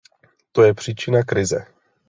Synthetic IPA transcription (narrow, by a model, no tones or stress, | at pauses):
t̪o̞jɛpr̝̥iːt͡ʃɪnakɾɪzɛ̰